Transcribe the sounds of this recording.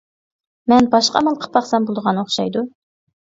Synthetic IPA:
mɛnbɑʃqɑ̰mɑlˠqʰə̥pʰɑχsɑmbolˠd̪əʁɑnoχʃɑ̰jd̪u

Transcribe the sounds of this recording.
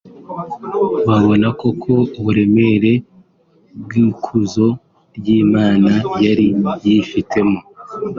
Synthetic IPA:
βaβo̞nako̞kʰo̞uβuɾe̞me̞ɾe̞ | bɡikʰuzo̞ | ɾjiːmaːnajaɾijifitʰe̞mo

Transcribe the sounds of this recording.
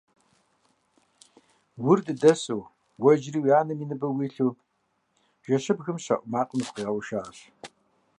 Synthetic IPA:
wʊrdɨdɐsʼow | wɐd͡ʒriːwjaːnɨmiːnɨbɐwiːɬuː | ʒ̥ɐɕɨbɣɨmɕɐ̰ʔʷʼʊmaːqʼəmpqiːʁɐwʃaːɕ

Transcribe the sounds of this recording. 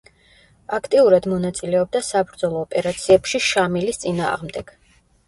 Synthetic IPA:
akʰt̪ʼiuɾad̪mɔnat̪sʼilɛɔb̚d̪asabɾd̪zɔlˠɔːpʼɛɾat̪sʰiɛpʃiʃamilist̪sʼina̰ːʁmd̪ɛɡ̥

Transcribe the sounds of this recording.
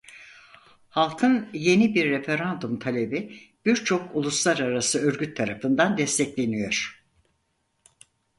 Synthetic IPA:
halˠkʰɯnje̞nibiɾːefe̞ɾand̪umt̪ʰalʲe̞bib̥iɾt͡ʃʰo̞kʰulˠuslˠaɾaɾasɯøɾɡʲyt̪ʰːaɾafɯnd̪and̪ɛst̪ʰɛclʲe̞nijo̞ɾ̥

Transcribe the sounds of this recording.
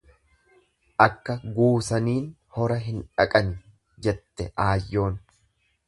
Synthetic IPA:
ʔɐkːɐɡuːsɐniːn | hɔɾɐɦɪnᶑɐkʼɐn | d͡ʒɛt̪ːɛʔaːjːo̞ːn

